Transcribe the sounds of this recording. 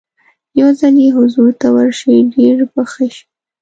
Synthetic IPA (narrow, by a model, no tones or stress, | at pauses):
jawzaljeɦʊzuɾt̪awəɾʃəɖeɾbəxaʃi̥